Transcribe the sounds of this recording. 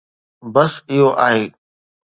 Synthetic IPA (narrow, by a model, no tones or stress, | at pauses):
bəsɪɦoʔaːɦeː